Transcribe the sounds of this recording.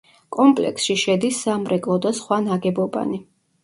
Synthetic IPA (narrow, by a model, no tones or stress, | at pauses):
kʼɔmpʼlɛ̰ksʃiʃɛd̪isːamɾɛkʼlˠɔd̪asχwanaɡɛbɔba̰ni